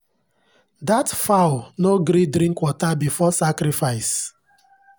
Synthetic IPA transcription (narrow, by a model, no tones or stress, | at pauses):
datfaʊnoɡɾidɾĩŋkwɔtabifɔsakɾifaɪs